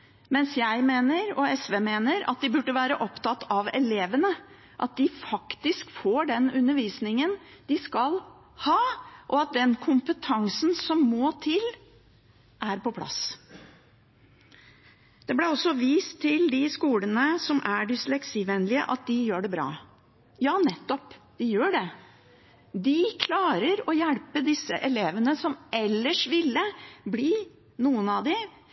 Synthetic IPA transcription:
mɛnsjæɪmeːnəɾɔɛsʋeːmeːnəɾɑ̰t̪̚d̪ɪbʉɖːəʋæːɾəʔɔpt̪ɑt̪ːɑʋɛleːʋənə | ʔɑt̪̚d̪ɪfɑkt̪ɪskfoːɖɛnʉnːəɾʋiːsnɪŋənd̪̥ɪskɑl | hɑːʔɔɑt̪̚d̪ɛnkʰʊmpət̪ʰɑŋsn̩sɔmːoːt̪ʰɪl | ʔæɾpɔpʰlɑ̰s | d̪̥ɛblæɔsːɔʋiːst̪ʰːɪld̪ɪskuːlənəsɔmʔæɖɪslɛksiʋɛnlɪə̰ʔɑt̪̚d̪ɪjøːɖɛbɾɑ̰ː | jɑːnɛt̪ːɔpd̪̥ɪjøːɖɛ | d̪ɪkʰlɑːɾəɾɔjælpəd̪ɪsːəʔɛleːʋənəsɔmɛlːəʂʋɪlːəbliː | nuːənɑd̪ɪ

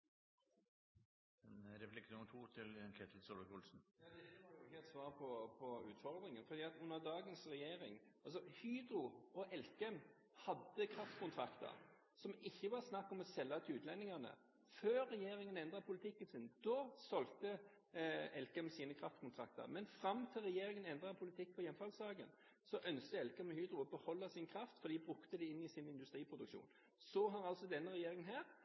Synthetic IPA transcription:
mɛnd̪ɛʋɛlɪkːənuːnt̪ʰuːt̪ʰɪlkʰɛːt̪ʰl̩sɔlʋəkʊlsn̩jɑːd̪ɛʋɑɾjjʊɪçːəɛt̪sʋɑːʁpʰɔpʰɔʉːt̪fɔɾd̪ɾɪŋənfɔɾd̪iːɑt̪ʉnːəʁd̪ɑːɡənsɾɛjeːɾɪŋɑls̬ɔhyːd̪ɾʊɔʔɛlkɛm | hɑd̪ːəkʰɾɑft̪kʊnt̪ʰɾɑkt̪ə̰ɾ | sɔmɪçːəʋɑʁsnɑkːɔmɔsɛlːɑt̪ʰʉːt̪ʰlɛnːɪŋɑnə̰ | føːɾːɛjeːɾɪŋənɛnd̪ʁɑpʰʊlɪt̪ʰɪkːənsɪnd̪̥ɔsɔlt̪ə | ɛlkəɛmsiːnəkʰɾɑft̪kʰʊnt̪ʰɾɑ̰k̚t̪ə̰ɾmɛnfɾɑmːt̪ʰɪlʁɛjeːɾɪŋənɛnd̪ɾɑpʰʊlɪt̪ʰɪk̚ːpʰɔjɛnfɑlsɑːɡə̰n | sɔʔœnskəɛlkɛmɔhyːd̪ɾʊɔbəhɔlːɑsɪnkʰɾɑft̪fɔɾd̪iːbɾʉkt̪əd̪ɛɪnːɪsɪnɪnd̪ʉst̪ɾiːpʰɾʊd̪ʉkʃṵːn | sɔɦɑɾɑlsɔd̪ɛnːəʁɛjeːɾɪŋənɦæːɾ

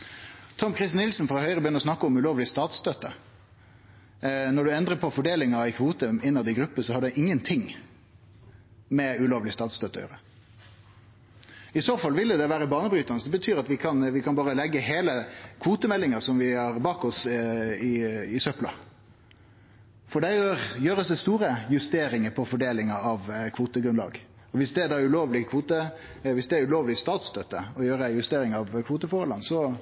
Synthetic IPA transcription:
t̪ʰɔmkʰɾɪst̪nɪlsnfɔɾʁɔhœʏʁəbəjʏnəɾɔsnɑkːəɔmʉloːʋlɪst̪ɑːt̪st̪øːt̪ːə | nɔɖʉɛnd̪ɾəpʰɔfɔɖeːlɪŋɑɛɪkʰʋuːt̪əɪnːɑd̪ɛɡɾʉpːəsɔhɑɖ̪ɛʔɪŋːənt̪ʰɪŋ | mɛʉloːʋəlɪst̪ɑːt̪st̪øːt̪ːø̰ʁɾə | ɪsoːfɑlʋɪld̪əd̪ɛʋæːɾəbɑːnəbɾyːt̪ənəsd̪ɛbət̪ʰyːɾɑt̪ʋɪkʰɑnʋɪkʰɑnbɑːʁɾəlɛɡːəɦeːləkʰʋuːt̪əmɛlːɪŋɑsɔmʋɪhɑɾbɑːkɔsɪɪsœplɑ̰ | fɔɖɛjøːɾjøːɾəsd̪ɛst̪uːɾəjʉst̪eːɾɪŋəpʰɔfɔɖeːlɪŋɑɑʋkʰʋuːt̪əɡɾʉnlɑ̰ːɡ | ɔʋɪsd̪ɛd̪ɑːɾʉloːʋlɪkʰʋuːt̪ə | ʋɪsd̪ɛæɾʉloːʋlɪst̪ɑːt̪st̪ʰœt̪ːəɔjøːɾəjʉst̪eːɾɪŋɑʋkʰʋuːt̪əfɔɾhɔlːənsɔ

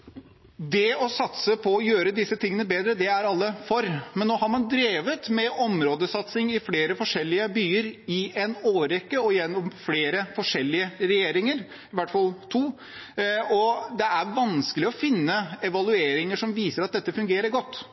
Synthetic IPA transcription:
d̪ɛɔsɑt̪səpʰɔɔjøːɾəd̪ɪsːət̪ʰɪŋːənəbeːd̪ɾəd̪ɛæɾɑlːəfɔɾmɛnnːoːɦɑɾmɑnd̪ɾeːʋət̪mɛɔmɾoːd̪əsɑt̪sɪŋɪfleːɾəfɔʂɛlːɪəbyːəɾɪʔɛnoːɾɛkːəɔɪjɛnːɔmfleːɾəfɔʂɛlːɪəɾɛjeːɾɪŋəɾ | ʋæʈfɑlt̪ʰuː | ɔd̪ɛæɾʋɑnskəlɪɔfɪnːəɛʋɑlʉeːɾɪŋəʂɔmʋiːsəɾɑt̪̚d̪ɛt̪ːəfʉŋɡeːɾəɾɡɔt̪ː

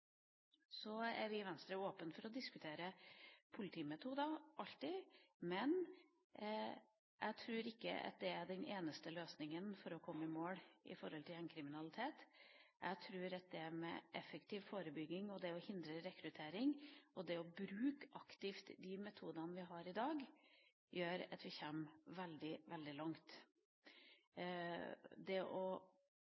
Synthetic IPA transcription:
sɔæ̰ɾʋɪʋɛnst̪ɾəoːpənfɔɾɔd̪ɪskʉt̪ʰeːɾəpʰʊlɪt̪ʰiːmɛt̪ʰuːd̪ɑʔɑʎt̪ɪmɛn | jʔæ̰t̪ʰɾʉːɾɪkːə̰ɑ̰t̪̚d̪ɛæɖɛnʔeːnəst̪əløːsnɪŋənfɔɾɔkʰɔmːəɪmoːɽʔɪ̰fɔɾhɔlt̪ʰɪlɛnkʰɾɪmɪnɑlɪt̪ʰeːt̪ | ʔæ̰ɡt̪ʰɾʉːɾɑt̪̚d̪ɛæmɛ̰ʔɛ̰fːəkt̪ʰɪʋfoːɾəbʏɡːɪŋɔd̪ɛɔhɪnd̪ɾəɾɛkɾʉt̪ʰeːɾɪŋɔd̪ɛɔbɾʉːkʔɑkt̪ɪft̪d̪ɪmɛt̪ʰuːd̪ɑnəʋɪɦɑɾɪd̪ɑːɡ | jøːɾɑ̰t̪ʋɪçɛːmʋɛld̪ɪʋɛld̪ɪlɑŋt̪ | d̪ɛʔɔ

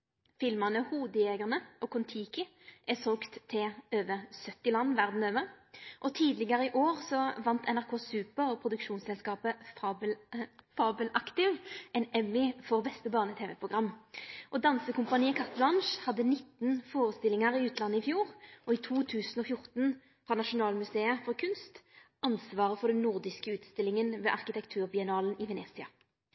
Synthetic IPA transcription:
fɪlmɑnəhuːd̪əjeːɡəʁnəʔɔkʰʊnt̪ʰiːkɪ | ʔɛsoːkt̪ʰːɪøːʋəsœt̪ːɪlɑnːʋæʁd̪n̩øːʋəʔɔt̪ʰiːd̪lɪɡəʁəɪʔoːʁsɔʋɑnt̪ʰɛnæʁkʰoːsʉːpəʁɔpʰʁʊd̪ʉkʃuːnsɛlskɑːpəɑblfɑːbəlɑkt̪ɪʋɛnɛmːɪfɔʁbɛst̪əbɑːʁnət̪ʰeːʋɛpʰʁʊɡʁɑmːʔɔd̪ɑnsəkʊmpɑniːəkʰɑt̪lɑnʃhɑd̪ːənɪt̪ːnfoːʁəst̪ɪlɪŋəʁɪʉːt̪ʰlɑnːəɪfjuːʁʔɔit̪ʰuːt̪ʰʉːsən̩ɔfjʊʁt̪n̩ | fʁɑnɑʃʊnɑːlmʉseːəfɔʁkʰʉnst̪ʔɑnsʋɑːʁəfɔʁd̪ɛnnːʊʁd̪ɪskəʉːt̪st̪ɪlɪŋənʋḛːʔɑʁkɪt̪ʰɛkt̪ʰʉːʁbɪɛnɑːlən̩ɪʋɛneːsɪɑ

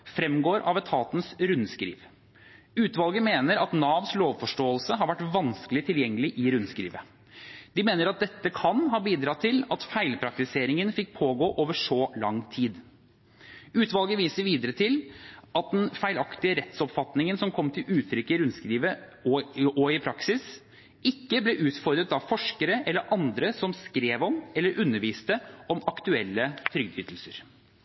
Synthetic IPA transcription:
fɾɛmːɡoːɾʔɑ̰ʋɛt̪ʰɑːt̪nsɾʉnːskɾḭːʋ | ʉːt̪ʋɑlɡəmeːnəɾɑt̪nɑːʋnsloːʋfɔʂʈoːəlsəɦɑɾʋæʈːʋɑnskəlɪt̪ʰɪljɛŋːəlɪʔɪɾʉnːskɾḭːʋə | d̪̥ɪmeːnəɾɑt̪̚d̪ɛt̪ːəkʰɑnɦɑːbiːd̪ɾɑːt̪ʰɪlɑt̪fæɪlpʰɾɑk̚t̪ɪseːɾɪŋənfɪk̚ːpʰoːɡoːʔoːʋəʂɔlɑŋt̪ʰiːd̪ | ʉːt̪ʋɑlɡəʋiːsəɾʋiːd̪əɾət̪ʰɪlɑt̪̚d̪ɛnfæɪlɑkt̪ɪəɾɛt̪sɔpfɑt̪nɪŋənsɔmkʰɔmːt̪ʰɪlʉːt̪ʰɾʏkːɪɾʉnskɾiːʋəɔɔɪpʰɾɑksɪs | ʔɪkːəblɛʔʉːt̪fɔɾd̪ɾət̪ɑfɔʂkəɾəʔɛlːəɾʔɑnd̪ɾəsɔmskɾeːʋɔmɛlːəɾʔʉnːəɾʋiːst̪əɔmɑkt̪ʉɛlːət̪ʰɾʏɡ̚d̪ʏːt̪l̩səɾ

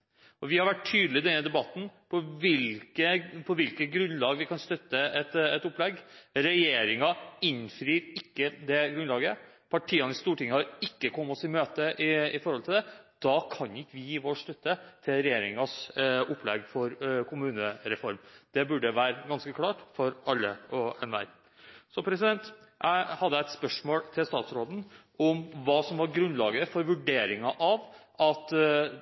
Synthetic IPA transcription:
ɔʋɪhɑɾʋæʈʰːyːd̪lɪd̪ɛnːəd̪ɛbɑt̪ːn̩pʰɔʋɪlkəpʰɔʋɪlkət̪ɡɾʉnlɑːɡʋɪkʰɑnst̪œt̪ːəɛt̪ɛt̪ʊpːlɛɡɾɛjeːɾɪŋɑɪnfɾiːɾɪkːəd̪ɛɡɾʉnlɑːɡə | pʰɑʈʰiːɑnɪst̪uːʈɪŋːəhɑɾɪkːəkʰɔmːɔsɪmøːt̪əʔɪɪfɔɾhɔlt̪ɪd̪ɛd̪̥ɑkʰɑnɪkːəʋɪjiːʋoːʂt̪œt̪ːət̪ʰɪlɾɛjeːɾɪŋɑsʊpʰːlɛɡfɔɾkʰʊmʉːnəɾɛfɔɾmd̪̥ɛbʉɖəʋæːɾəɡɑnskəkʰlɑːʈfɔɾɑlːəɔɛnʋæ̰ɪ | sɔpʰɾɛsɪd̪ɛnt̪ʔæ̰ɪhɑd̪ːəæɪt̪spœʂmoːlt̪ʰɪlst̪ɑːt̪sɾoːd̪n̩ | ɔmʋɑːsɔmʋɑɾɡɾʉnlɑːɡəfɔɾʋʉɖeːɾɪŋɑʔɑʋ | ʔɑt̪

